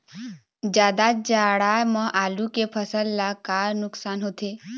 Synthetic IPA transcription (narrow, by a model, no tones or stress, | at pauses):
d͡ʒjaːd̪ad͡ʒaɽamə̃ʔaːlukepʰəsəlːakaɾnʊksaːnɦot̪e